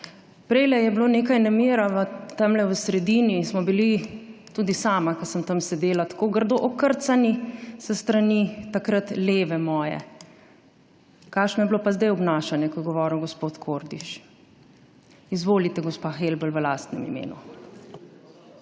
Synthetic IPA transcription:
pɾɛɪlɛjɛbloːneːkajnameːɾaʋət̪amlɛwəsɾɛd̪iːnismɔbilit̪uːd̪isaːmakəsəmt̪amsɛd̪eːlat̪ḁkoːɡəɾd̪oʔɔkəɾt̪sanisəst̪ɾanit̪akɾat̪leːʋɛmɔːjɛ̰ | kaːkʃnɔjɛblopazd̪ɛjɔbnaːʃanjɛkɔj̪ɡɔʋɔːɾiwɡɔspoːt̪kʰoːɾd̪iʃ | izʋoːlit̪ɛɡɔspaxelbəlʋəlaːst̪nɛmḭmḛːnṵ

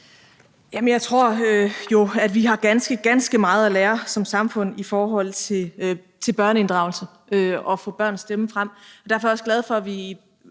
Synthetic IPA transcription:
jæmənjɑɪt͡sʰʁo̝ɐ̰øjo̝æd̥ʋiɦɑ̈ɡ̥ænsɡ̥əɡ̥ænsɡ̥əmɑ̈ːð̞̩ˠæleːɐsɒ̽msɑ̈mfɔ̽n̰ifɒːɦɒ̽l̰t͡sʰe̝l | t͡sʰe̝lb̥ɶɐ̰nəe̝nd̥ʁɑ̈ʊl̩sə | ʔøɒ̽fɔ̰̽ːb̥ɶɐ̰nsd̥eməfʁam̰ɒd̥æɐfɒjɒ̽sɡ̥lɛð̞ˠfɒ̽æʋi

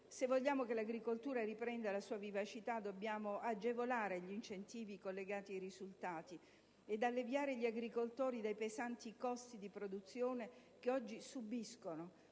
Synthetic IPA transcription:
sevːoʎːaːmokelaɡɾikolt̪uːɾaripɾɛnd̪alasuːavivat͡ʃit̪ad̪obːjaːmoʔad͡ʒevolaːɾeʎint͡ʃent̪iːvikolːeɡaːt̪iajɾizult̪aːt̪i | ed̪alːevjaːɾeʎiaɡɾikolt̪oːɾid̪ajpezant̪ikɔst̪id̪ipɾod̪ut̪sːjoːne | keɔd͡ʒːisubiskono

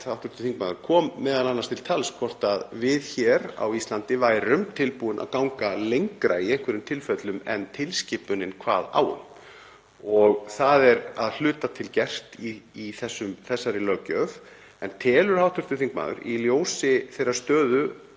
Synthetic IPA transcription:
awht̪ʏɾ̥t̪ʏ̥θiŋkmaːðʏɾ̥kʰɔːmːɛːðalanːanst̪ʰɪlt̪ʰalskʰvɔr̥t̪aðvɪðçɛːɾa̰wist̪lant̪ɪvaːjɾʏmt̪ʰɪlpuːɪnʔa̰ðkawŋkalejŋkɾaiɛhkvɪɾʏmt̪ʰɪlfœt̪lʏmɛnt̪ʰɪlscɪːpʏnɪnkʰva̰ːða̰ːwʏ̰m | ɔɣθaðɛɾaðl̥ʏːt̪at̪ʰɪlcɛr̥t̪iːθɛsːʏmθɛsːaɾɪlœːcœv | ɛnt̪ʰɛːlʏɾ̥hawht̪ʏɾ̥t̪ʏθiŋkma̰ːðʏ̰ɾiljoːwsɪθejɾːḁst̪œːðʏ

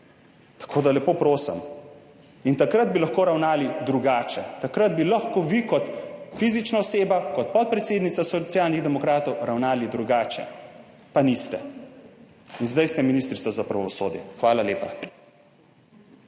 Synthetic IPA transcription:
t̪ḁkʰoːd̪alɛpoːpɾoːsɛ̰m | int̪akɾad̪̚bilaxkoːɾawnaːlid̪ɾuɡaːt͡ʃɛt̪akɾad̪̚bilaxkoʋikɔt̪fizit͡ʃnaɔseːbakɔt̪̚pɔt̪̚pɾɛt̪seːd̪nit̪sasɔt̪sjaːlniɣd̪ɛmɔkɾaːt̪ɔwɾawnaːlid̪ɾuɡaːt͡ʃɛ̰ | panist̪ɛ | inzd̪ajst̪ɛminist̪ɾit̪sazapɾaʋɔso̰ːd̪jɛ̰xʋaːlaleːpa̰

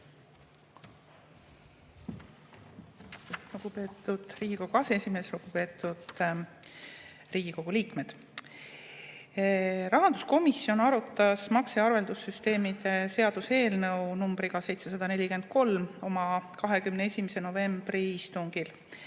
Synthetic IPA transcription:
luɡ̥upe̞ːt̪ːˑud̪̥riːɡ̥iko̞ɡ̥uɑseesʲime̞sluɡ̥upe̞ːt̪ːˑud̪̥ | riːɡ̥iko̞ɡ̥uliːkme̞d̪̥ | ɾɑɦɑnd̪usko̞misːio̞nɑɾut̪ːˑɑsmɑkseɑrve̞ld̪usyst̪e̞ːmid̪̥e̞se̞ɑd̪̥use̞ːlnɤwnumbɾiɡ̥ɑse̞jt̪se̞sɑd̪̥ɑne̞lʲike̞nd̪̥̚ko̞lmo̞mɑkɑɦe̞kymnee̞sʲimeseno̞ve̞mb̥riist̪uŋɡ̥il

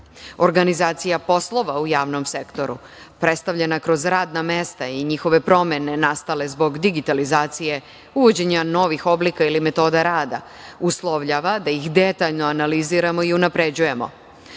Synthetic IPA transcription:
o̞ɾɡanizaːt̪sijapo̞slˠo̞ʋaujaːʋno̞mse̞kt̪o̞ɾṵ | pɾe̞t̪st̪aʋʎenakɾo̞zɾaːd̪name̞st̪aiɲixo̞ʋe̞pɾo̞me̞ne̞nast̪ale̞zbo̞ɡd̪iɡit̪alizaːt̪sije̞ | uʋo̞d͡ʑe̞ɲano̞ʋixo̞blikailime̞t̪o̞ːd̪aɾaːd̪a̰ | uslˠoʋʎaʋad̪aixd̪e̞t̪aʎno̞analiziɾamo̞iunapɾe̞d͡ʑuje̞mo̞̰

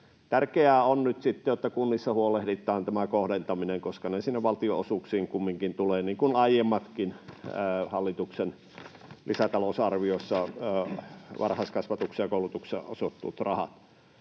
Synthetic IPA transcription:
t̪ærkeæːonnyt̪sit̪ːejot̪ːɑkunːisːɑhuolehdit̪ˑɑːnt̪æmækohdent̪ɑmineŋkoskɑnesinːeʋʋɑlt̪ioo̰suksiːŋkumːiŋkint̪uleːniːŋkunɑijemːɑt̪kinəhɑlːit̪uksen | lisæt̪ɑlosɑrʋiosːɑ | ʋʔɑ̰rhɑskɑsʋɑt̪uksejɑkoˑulut̪uksḛʔo̰sot̪ːṵːt̪rɑhɑ̰t̪

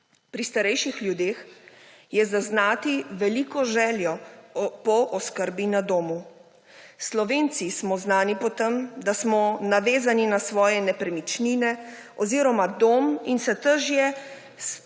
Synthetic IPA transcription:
pɾist̪aɾɛjʃixljud̪eːx | jɛzaznaːt̪iʋɛlikɔʒɛːljɔpɔʔɔskəɾbinad̪oːmu | slɔʋeːnt̪sismɔznaːnipɔt̪əmd̪asmɔnaʋeːzaninasʋɔːjɛnɛpɾɛmit͡ʃninɛɔziːɾɔmad̪oːminsɛt̪əɾʒjɛ | s

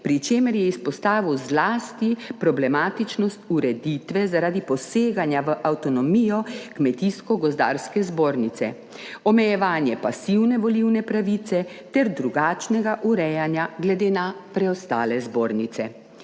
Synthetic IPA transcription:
pɾit͡ʃeːməɾjɛispɔst̪aːʋiwzlaːst̪ipɾɔblɛmaːt̪it͡ʃnɔst̪uɾɛd̪iːt̪ʋɛzaɾaːd̪ipɔseːɡanjaʋəʔawt̪ɔnɔmiːjɔkmɛt̪iskɔɡɔzd̪a̰ːɾskɛzboːɾnit̪sɛ̰ | ɔmɛjɛʋaːnjɛpasiwnɛʋɔliwnɛpɾaʋit̪sɛ | t̪ɛɾd̪ɾuɡaːt͡ʃnɛɡaʔuɾɛjanjaɡlɛd̪eːnapɾɛɔst̪aːlɛzboːɾnit̪sɛ

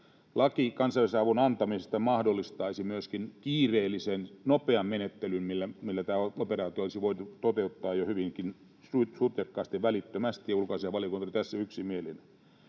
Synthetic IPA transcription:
lɑkikɑnsɑilɑsɑʋunɑnt̪ɑmisest̪ɑmɑhdolːist̪ɑisimyøskinkiːreːlːˑisennopeɑmmenet̪ːelymmilːæmilːæt̪æːooperɑːt̪ioolisiʋoit̪ut̪ot̪eut̪ːɑːjohyʋiŋkin | sutsut̪jɑkːɑːst̪iʋʋælit̪ːømæst̪ijɑulkɑsiɑʋɑliokunt̪olit̪æsːæyksimielḭne

